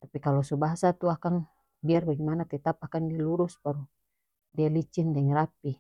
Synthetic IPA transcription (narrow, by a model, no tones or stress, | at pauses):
t̪apikalɔsubaɦasat̪uakaŋ | biarbaɡimanat̪ɛt̪apakandialuɾuspaɾu | dialit͡ʃindɛŋɾapi